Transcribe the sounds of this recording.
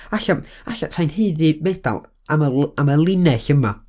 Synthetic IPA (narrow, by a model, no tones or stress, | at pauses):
aɬaaɬatʰajnheːðɨbɛd̥a̰lˠ | aməaməlˠɪnɛɬəma